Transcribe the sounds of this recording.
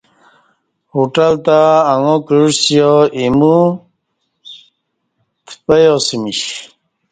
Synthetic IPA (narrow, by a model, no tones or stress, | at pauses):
hoʈəlt̪aːŋokusjoimu | t̪ʰpajosimiɕ